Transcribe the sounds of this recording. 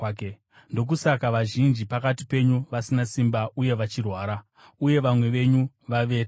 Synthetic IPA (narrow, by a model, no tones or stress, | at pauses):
ndo̞k̬usakaʋaʒind͡ʒipakatipe̞ɲuʋasinasimbauje̞ʋat͡ʃirwaːɾa | uje̞ʋamwe̞ʋe̞ɲu | ʋaʋe̞